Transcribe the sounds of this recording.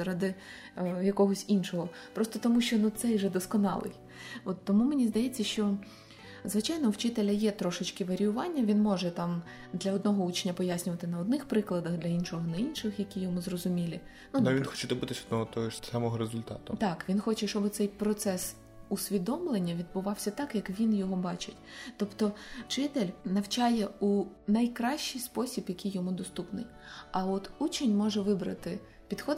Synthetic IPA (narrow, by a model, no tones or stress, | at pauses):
zɐɾɑd̪ɪ | jɐkɔɦɔsʲinʃɔɦɔ | pɾɔst̪ɔt̪ɔmuʃt͡ʃɔnut̪sɛjʒɛd̪ɔskɔnɑ̰lˠɪ̰j | ɔt̪ːɔmumenʲizd̪ɐjɛt͡sʲːɐʃt͡ʃɔ | zʋɪt͡ʃajnɔwt͡ʃɪt̪elʲɐjɛt̪ɾɔʃɪt͡ʃkɪʋɐɾʲijʊʋɑnʲːɐʋʲinmɔʒɛt̪ɑm | d̪lʲɐɔd̪nɔɦɔut͡ʃnʲːɐpɔjasʲnʲʊʋɐt̪ɪnɐɔd̪̚nɪxpɾɪklˠɐd̪ɐxd̪lʲɐinʃɔɦɔnɛinʃɪxjɐkʲijɔmuzɾɔzʊmʲilʲɪ | nuʋʲinxɔt͡ʃɛd̪ɔbɪt̪ɪsʲɔd̪nɔɦɔt̪ɔɦɔsɑmɔɦɔɾezʊlʲt̪ɑ̰t̪ʊt̪ɑkʋʲinxɔt͡ʃɛʃt͡ʃɔbɪt̪sɛjpɾɔt̪sɛs | usʲʋʲid̪ɔmlˠenʲːɐʋʲid̪̚bʊʋɑwsʲɐt̪ɑkjɐkʋʲinjɔɦɔbɑt͡ʃɪtʲt̪ɔpt̪ɔt͡ʃɪt̪elʲnɐwt͡ʃɑjɛu | nɐjkɾɑʃt͡ʃːɪjspɔsʲibjɐkʲʰijɔmud̪ɔst̪upnɪj | ɐɔt̪ut͡ʃenʲmɔʒɛʋɪbɾɐt̪ɪ | pʲid̪xɔ